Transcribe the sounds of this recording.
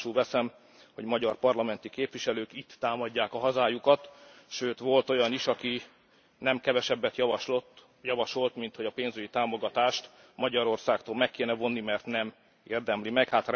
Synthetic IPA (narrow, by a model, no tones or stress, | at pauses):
ʃulvɛsɛm | ho̞ɟmɒɟɒrpɒrlɒmɛnt̪ikeːpʋiʃɛløːkit̪ːaːmɒɟːaːkɒɦɒzaːjukɒt̪ʃøːt̪ʋo̞lt̪o̞jɒniʃɒki | nɛmkɛvɛʃɛbːɛt̪jɒɒʃlot̪ | jɒvɒʃo̞lt̪mint̪ho̞ɟɒpeːnzyɟit̪aːmoɡɒt̪aːʃt̪ | mɒɟɒɾo̞rsaːkt̪oːlmɛkːeːnɛvonːimɛrt̪nɛm | eːrd̪ɛmlimɛkhat̪r